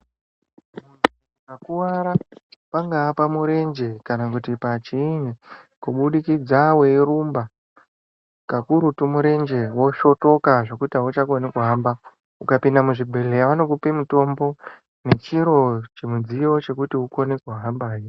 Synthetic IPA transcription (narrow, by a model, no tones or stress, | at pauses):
muni | kakuwaɾapaŋɡaːpamuɾe̞nd͡ʒe̞kanakutipat͡ʃiːne | kuɓuɗikid͡zawe̞ɾumba | kakuɾutumuɾe̞nd͡ʒe̞wo̞ʃo̞to̞kaʐo̞kutiaut͡ʃakonekuɦaːmba | ukapindamuʐibʱelejaʋano̞kupimuto̞mbo̞ | ne̞t͡ʃiɾo̞t͡ʃemud͡zijo̞t͡ʃe̞kutiukonekuɦambaːi